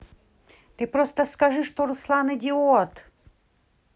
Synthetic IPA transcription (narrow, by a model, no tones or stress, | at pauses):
t̪ɨpɾost̪əskɐʐɨʂt̪oɾʊslˠanɨd̪ʲɪot̪